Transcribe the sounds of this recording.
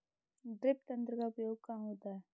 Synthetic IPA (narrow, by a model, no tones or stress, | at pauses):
ɖɾɪp̚t̪ɐ̃nt̪ɾəkaʊpjoːɡ̚kãːɦoːt̪aɦɛː